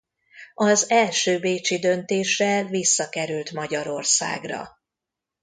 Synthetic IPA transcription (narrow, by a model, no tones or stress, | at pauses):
ɒzɛlʃøːbeːt͡ʃid̪ø̞nt̪eːʃɛlvisːɒkɛɾylt̪mɒɟɒɾo̞rsa̰ːɡrɒ̰